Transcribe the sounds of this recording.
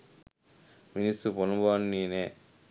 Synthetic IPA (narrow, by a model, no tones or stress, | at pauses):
minist̪uɾponubanːineː